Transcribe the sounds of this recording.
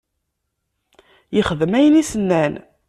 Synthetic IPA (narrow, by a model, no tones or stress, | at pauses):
jəχəðəmæjənisənːæn